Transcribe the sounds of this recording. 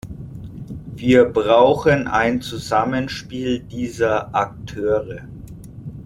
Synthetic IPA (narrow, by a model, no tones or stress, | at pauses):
viːɐbʁaʊxəna̰ɪnt͡suzamənʃpiːldiːzɐʔak̚tʰøːʁə